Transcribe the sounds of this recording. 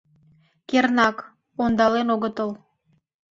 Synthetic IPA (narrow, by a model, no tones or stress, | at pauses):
kernɑk | ond̪ɑlenoɣət̪əl